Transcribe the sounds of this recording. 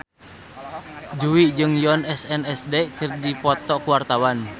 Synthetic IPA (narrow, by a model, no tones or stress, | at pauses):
d͡ʒuwid͡ʒɨŋjɔnɛsɛnɛsdɛʔkɨrdipɔt̪ɔkuwart̪awan